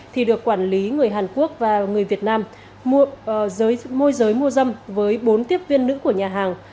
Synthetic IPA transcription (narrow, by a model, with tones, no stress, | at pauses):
t̪ʰi˨˩ɗɨ˨˩əkːwaː˧˩nli˨˦ŋɨ˨˩əjɦaː˨˩nku˦˥ək̚vaː˨˩ŋɨ˨˩əjvi˨˩ət̚naː˧m˧ | zəː˨˦jmo˧jzəː˨˦jmu˧əzə˧mvəː˨˦jɓo˨˦nt̪i˦˥əp̚vi˧ənːɨ̰˧˥ku˧˩əɲaː˨˩ɦaː˨˩ŋ